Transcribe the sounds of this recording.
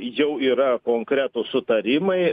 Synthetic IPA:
jɛʊiːɾɐkoːŋkɾʲæːt̪ʊsʊt̪ɐɾʲɪmɐɪ

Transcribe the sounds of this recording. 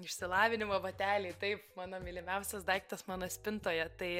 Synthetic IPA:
ɪʃʲsʲɪlˠɑːʋʲɪnʲɪmobɐt̪ʲæːlʲeːt̪ɐɪpmɑːnoːmʲiːlʲɪmʲɛʊsʲɛsd̪ɐɪkt̪ɐsmɑːnoːsʲpʲɪnt̪oːjɛt̪ɐɪ

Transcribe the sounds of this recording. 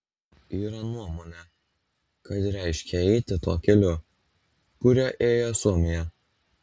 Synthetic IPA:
iːɾɐnuɔmoːnʲɛ | kɐt̪ɾʲæˑɪʃʲkʲɛɛɪt̪ʲɪt̪uːkʲɛlʲʊ | kʊɾʲɛʔeːjosuɔmʲɪjɛ

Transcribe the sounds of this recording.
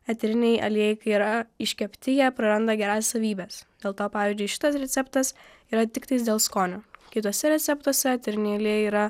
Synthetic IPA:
ɐt̪ʲɛɾʲɪnʲɛɪʔɐ̰lʲijɛɪkɐiːɾɐɪʃʲkʲɛpʲt̪ʲɪjɛpɾɐɾɐnd̪ɐɡʲɛɾɑːsʲɛsɐʋʲiːbʲɛːsd̪ʲeːlˠt̪oːpɑːʋʲiːzʲd͡ʒʲʊɪʃʲɪ̥t̪ɐsɾʲɛt̪sʲɛpt̪ɐs | iːɾɐt̪ʲɪkt̪ɐɪsd̪ʲeːlˠskoːnʲoːkʲɪt̪uːsʲɛɾʲɛt̪sʲɛpt̪uɔsʲɛɐt̪ʲɛɾʲɪnʲɛjɪɐlʲiɛiːɾɐ

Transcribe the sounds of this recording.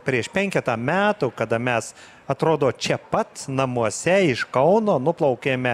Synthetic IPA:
pʲɾʲiɛʃpʲɛŋʲkʲɛt̪ɐmʲæːt̪ukɐd̪ɐmʲɛs | ɐt̪ɾoːd̪oːt͡ʃʲɛpɐt̪nɐmuɔsʲɛɪʃkɐʊnoːnʊplˠɐʊkʲeːmʲɛ

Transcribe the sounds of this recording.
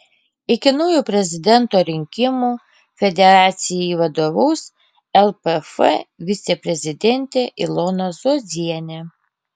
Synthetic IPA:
ɪkʲɪnɔjuːpʲɾʲɛzʲɪd̪ʲɛnt̪oːɾʲɪŋʲkʲɪmuː | fʲɛd̪ʲɛɾɑːt̪sʲɪjɛiʋɐd̪oːʋɐʊs | ɛlˠpɛfɛ̰ʋʲɪt̪sʲɛpʲɾʲɛzʲɪd̪ʲɛnʲt̪ʲeːʔɪlˠonɐzoːzʲiɛnʲɛ

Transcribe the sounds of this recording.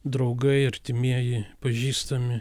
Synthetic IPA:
d̪ɾɒʊɡɐɪɐɾʲt̪ʲɪmʲiɛjɪpɐʒʲiːst̪ɐmʲɪ

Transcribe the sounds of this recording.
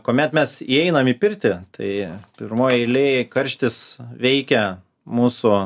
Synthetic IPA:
koːmʲɛt̪mʲɛsiɛɪnɐmipʲɪɾʲt̪ʲɪt̪ɐ̰ɪpʲɪɾmoːjɛɪlʲeːkɐɾʲʃʲt̪ʲɪsʋʲɛɪkʲɛ | muːsʊ

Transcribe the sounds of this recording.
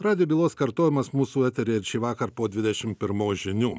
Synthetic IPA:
ɾɑːd̪ʲɪjoːbʲiːlˠoːskɐɾt̪oːjʲɪmɐsmuːsuːæt̪ʲɛɾʲeːɪɾʲʃʲɛɪʋɑːkɐɾpoːd̪ʲʋʲɪd̪ʲɛʃʲɪmpʲɪɾmoːʒʲɪnʲuː

